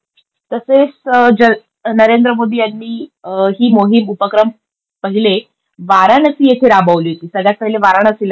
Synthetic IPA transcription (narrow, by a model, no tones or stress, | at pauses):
t̪əset͡sd͡ʑə | nəɾend̪ɾəmod̪ʱiːjanːiːɦiːmoɦimupəkɾəm | pəɦile | ʋaɾanəsiːjet̪ʰeɾabaʋliːɦot̪iːsəɡɭjat̪̚əɦileʋaɾaɳəsel